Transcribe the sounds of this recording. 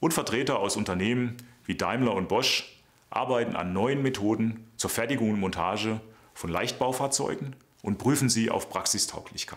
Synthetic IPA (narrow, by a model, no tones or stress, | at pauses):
ʔʊnfɛɐtʁ̥eːtɐaʊsʊntɐneːmənviːdaɪmlɐʊnt̚b̥ɔʃ | ʔa̰ɐbaɪtn̩a̰nːɔʏənmetʰoːdn̩t͡suːɐfɛɐtɪɡʊŋʊntmɔntʰa̰ːʒə | fɔnla̰ɪçt̚b̥aʊfaːɐt͡sɔ̰ʏɡŋ̩ | ʔʊntbʁ̥yːfn̩ziːʔa̰ʊfpʁ̥aksɪstʰa̰ʊkʰlɪçkʰaɪ